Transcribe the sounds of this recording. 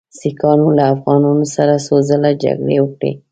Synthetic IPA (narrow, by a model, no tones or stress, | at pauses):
sikɑnolaːfɣɑnɑnosaɾasozəlad͡ʒa̰ɡɽewəkɽḛ